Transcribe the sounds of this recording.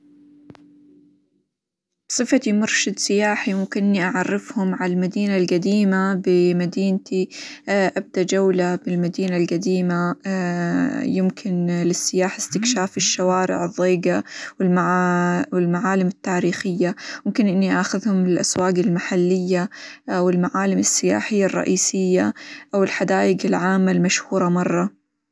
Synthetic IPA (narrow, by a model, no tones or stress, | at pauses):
sˤɨfat̪imʊɾˤʃɪd̪sɪjaːħimʊmkɪnʔɪnːiʔaʕɑrːɪfhʊmʕalalmad̪iːnalɡad̪iːmabɪmad̪iːnt̪ʰiʔab̚d̪aʔd͡ʒawlabɪlmad̪iːnalɡad̪iːma | jɪmkʰɪnlɪsːɪjaːħɪst̪ɪkʃaːfɪʃːawaːɾɪ̰ʕɨðˤːeːɡawɪlmawɪlmaʕaːlɪmɪt̪ːaːɾiːxɪjːajɪmkɪnʔɪnːiʔaxʊðhʊmɪlʔaswaːɡɪlmaħalːɪjːawɪlmaʕaːlɪmɪsːɪja̰ːħɪjːarˤːɑ̰ʔiːsɪjːaʔawɪlħad̪aːjɪɡɪlʕaːmːalmaʃhuːɾˤɑmɑrˤːɑ